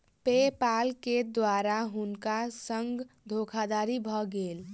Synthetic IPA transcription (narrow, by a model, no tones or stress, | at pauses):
pepalked̪waɾaɦunkasəŋɡd̪ʱokʰad̪aɾibʱɔɡel